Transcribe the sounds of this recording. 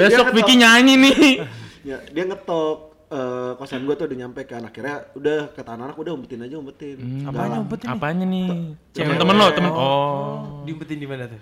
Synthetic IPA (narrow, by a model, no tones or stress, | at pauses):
besɔk̚pikiɲaɲinɪhɲadiaŋət̪ɔk̚ | əːkasanɡuat̪uudahɲampekanakirɲaudahkət̪aananakudahumpət̪ɪnad͡ʒaumpət̪ɪnadaɲaumpət̪apaɲanɪt̪əmənt̪əmənlot̪əmənɔ | diumpət̪ɪndimanat̪u